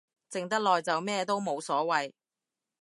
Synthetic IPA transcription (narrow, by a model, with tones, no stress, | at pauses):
t͡sɪ˨ŋt̪ɐ˥k̚lɔː˨jt͡sɐ˨wmɛː˥t̪o˥wmo˨˧wsɔː˨˥wɐ˨j